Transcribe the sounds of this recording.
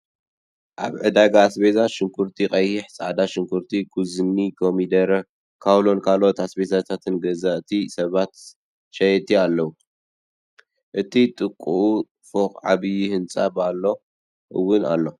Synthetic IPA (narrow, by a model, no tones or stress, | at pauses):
ʔaβʕɨd̪aɡaːsbezaʃɪŋkʰuɾt̪ʰiqʼɐjhiħsʼaʕd̪aʃɨŋkʰuɾt̪ʰikʰuzɨnːikʰomid̪ɐɾɐ | kʰawlo̞nkʰalo̞t̪asbezat̪ʰat̪ʰɨnɡɐzaʔt̪ʰisɐβat̪ | ʃɐjɛt̪ʰialːɐwu | ʔɨt̪ʰit̪ʼɨkʼːuʔu | foqʼʕaβɨjihɨnsʼa̰balːo̞ | ʔɨwːʊna̰lːo̞